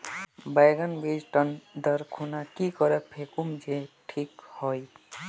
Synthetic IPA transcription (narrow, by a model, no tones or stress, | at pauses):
bajɡənbed͡ʒʈənd̪əɾkʰunakikɔɾɛpʰekumd͡ʒeʈʰikhoj